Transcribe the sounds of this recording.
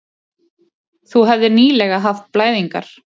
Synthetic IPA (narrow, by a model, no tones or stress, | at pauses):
θuɦɛvðɪniːlɛɣaɦaft̪̚plaːjðiŋka̰ɾ̥